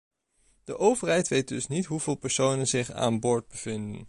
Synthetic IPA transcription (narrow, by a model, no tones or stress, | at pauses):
d̥əʔowvəɹɦɛjtʋejt̚dɵsnitɦuvɪːlˠpəɹsownənzɪχa̰ːnbʊːɹd̚bəv̥ɪndə̰n